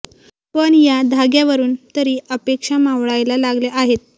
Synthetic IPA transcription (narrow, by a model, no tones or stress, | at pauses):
pəɳjad̪ʱaɡjaʋəɾuːnt̪əɾiːʔəpekʂamaʋɭajlalaɡleʔaɦet̪̚